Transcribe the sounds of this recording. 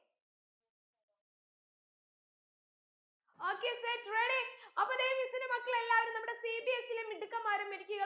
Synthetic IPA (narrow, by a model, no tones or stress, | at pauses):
oːkːeːsetreːɽiŋɐpːɐneːjmisɐnɐmɐkːɐɭe̞lːaːʋɐɾumnɐmuɽe̞sibiesilemiɖukːɐmːaːɾɐmʋɐɾikʲːuɣɐ